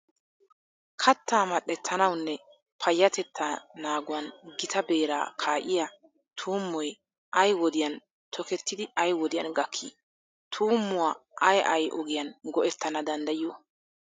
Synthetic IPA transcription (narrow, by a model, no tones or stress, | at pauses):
kʰɐt̪ːaːmɐɗːɛt̪ʰːɐnɐwnːɛ | pʰɐjːɐt̪ɛt̪ʰːɐnaːɡʊwɐnɡɪt̪ʰɐbe̞ːɾa̰ːkʰaːʔɪja | t̪ʰuːmːɔj | ʔɐjwɔd̪ɪjɐn | t̪ʰɔkɛt̪ːɪd̪ɪɐjwɔd̪ɪjɐnɡɐkʰːḭ | t̪ʰuːmːʊwaːʔɐjʔɐjʔɔɡɪjɐnɡɔʔɛt̪ːɐnɐd̪ɐnd̪ɐjɪjoː